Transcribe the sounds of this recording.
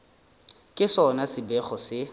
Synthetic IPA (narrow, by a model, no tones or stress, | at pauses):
kʼɪsɔnasɪbɛχɔsɪ